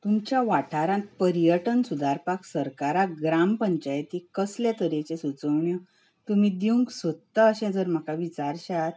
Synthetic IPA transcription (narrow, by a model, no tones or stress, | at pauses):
t̪umt͡ɕjaʋaʈʰaɾãt̪̚pəɾijəʈənsud̪ʱaɾpaksəɾkaɾaɡɾampəɲt͡ɕajt̪ikəsljat̪əɾet͡ɕesut͡səʋɳjə | t̪umid̪iuŋksət̪t̪aəɕɛ̃d͡zəɾm̤əkaʋit͡ɕaɾɕat̪